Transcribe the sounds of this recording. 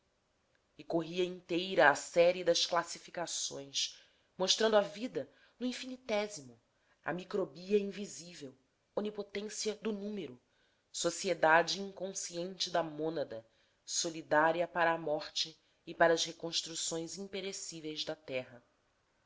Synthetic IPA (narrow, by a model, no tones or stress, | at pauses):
ɪkoɦiɐĩnt̪ejɾɐːsɛɾɪd̪ɐsklasifikasõ̰j̃s | moʃt̪ɾɐ̃nd̪avid̪ɐ | nʊĩfinit̪ɛzimʊ | ɐ̰mikɾobiɐĩvizivew | õnipot̪ẽsiɐd̪ʊnũmeɾʊ | sosied̪ad͡ʒɪĩŋkõsiẽnt͡ʃɪd̪ɐmõnɐd̪ɐ | solid̪aɾiɐpaɾɐːmɔχt͡ʃɪː | paɾɐːshekõʃt̪ɾusõj̃zĩpeɾesivejzd̪ɐt̪ɛɦɐ